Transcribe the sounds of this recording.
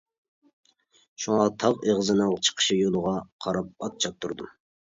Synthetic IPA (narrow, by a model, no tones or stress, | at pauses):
ʃuŋɑt̪ʰɑʁeʁzɨnɨŋt͡ʃʰə̥qʰə̥ʃijolˠəʁɑqʰɑɾɑp̚ɑt̪̚t͡ʃʰɑp̚t̪ʰuɾd̪um